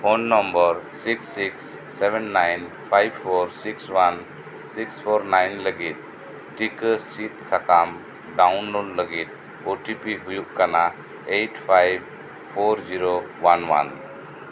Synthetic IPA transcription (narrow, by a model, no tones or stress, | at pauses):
pʰonːɔmbɔɾsiksːiksːebɛnːajnpʰajbʰoɾsikswan | sikspʰɔɾnajnləɡit̪̚ː | ikəsit̪̚sakam | ɖawnlolləɡit̪̚ | oʈipiɦujukkana | ejʈpʰajb̚ | pʰoɾd͡ʒiɾowanwa̰n